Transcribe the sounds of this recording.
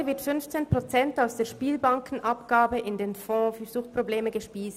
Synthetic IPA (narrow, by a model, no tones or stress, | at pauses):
əvɪɐtfʏnft͡seːnpʁ̥ot͡sɛntaʊsd̥eːɐʃpiːlbaŋkʰn̩ʔapɡ̥aːbəʔɪndeːnfɔ̃ːfyzuːxpʁ̥obleːməɡəʃpiːst